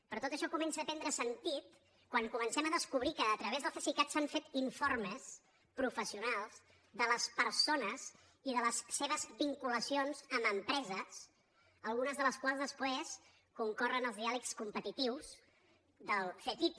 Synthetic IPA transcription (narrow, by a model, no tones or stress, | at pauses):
pɾɔt̪ot̪əʃɔkumɛnsəpɛnd̪ɾəsənt̪it̪ | kwaŋkumənsɛməðəskuβɾikəːt̪ɾəβezðəlˠfesikat̪saɱfet̪iɱforməs | pɾufəsiunalˠz | d̪ələspəɾsonəz | iðələsseβ̞əzbiŋkuləsionzəməmpɾɛzəs | əlˠɣunəzðələskwalˠzðəspɾes | kuŋkɔrənəlˠzðialəkskumpət̪it̪iwz | d̪əlˠfet̪ip̪